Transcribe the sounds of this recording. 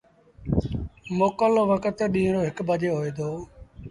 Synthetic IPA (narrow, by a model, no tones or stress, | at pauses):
moːkəlʋəkət̪ɗĩːɽoːɦɪkbəd͡ʒeːɦoːeːd̪oː